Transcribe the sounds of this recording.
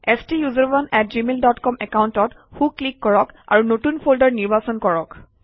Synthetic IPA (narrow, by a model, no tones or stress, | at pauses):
ɛstijuzɔɹbɔnɛt̚zimeldɔtkɔmɛkawntɔtxuklikːɔɹɔka̰ɹunotunpʰoldɔɹniɹbasɔnkɔɹɔk